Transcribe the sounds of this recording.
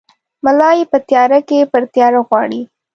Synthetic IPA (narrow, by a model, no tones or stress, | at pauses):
malɑjepət̪jɑɾakepəɾt̪jɑɾaɣwɑɽi